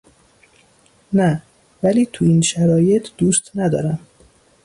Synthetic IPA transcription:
næ | væliːt̪ʰuinʃæɾɒːje̞t̪ʰd̪uːst̪næd̪ɒ̰ːɾæm

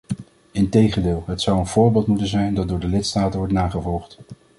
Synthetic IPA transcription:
ɪntejχəndɪːlˠɦətsʌwənv̥ʊːɹbeɪːlˠtmutənzɛjndɑt̚dʊːɹdəlɪtstaːtənʋɔɹtnaːχəvɔlˠχt

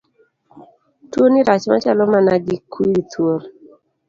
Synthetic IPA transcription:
twoniɾat͡ʃma̰t͡ʃalɔmanaɡikwiit̪wol

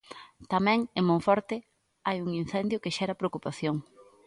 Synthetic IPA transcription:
t̪amɛ̃ŋemõŋfɔɾt̪ɪ | ajuŋin̟θɛnd̪jʊkeʃɛɾɐpɾeokupaθjoŋ

